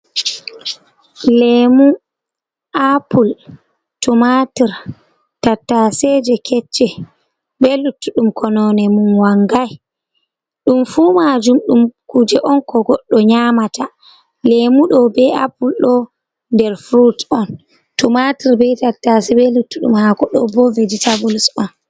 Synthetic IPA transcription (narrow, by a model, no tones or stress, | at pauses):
lemu | ʔapul | tumatiɾ | tatːasɛd͡ʒɛkʰɛt͡ʃːɛ | bɛlutːuɗumkʰɔnɔnɛmunwaŋɡaj | ɗumfumad͡ʒumɗumkud͡ʒɛʔɔnkɔɡɔɗːɔɲamata | lemuɗɔbɛa̰pulɗɔ | ndɛɾfɾutɔn | tumatiɾbɛtatːasɛbɛlutːuɗṵmhakɔɗɔbɔveditabulusɔn